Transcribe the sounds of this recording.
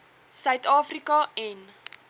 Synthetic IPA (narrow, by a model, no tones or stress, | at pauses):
sœɥtɑːfrikɐɛn